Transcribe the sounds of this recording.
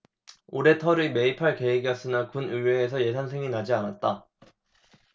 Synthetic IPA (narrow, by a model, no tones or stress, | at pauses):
oɾe̞tʰʌɾime̞ipʰaɭke̞iɡjʌs͈ɯnakunɯɭweːs̬ʰʌje̞s̬ʰansʰe̞ŋinad͡ʑianat̚t͈a